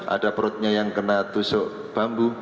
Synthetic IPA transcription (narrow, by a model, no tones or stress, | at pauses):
ʔa̰d̥apɾʊt̪̚ɲajaŋkənat̪usʊʔ | b̥a̤mbu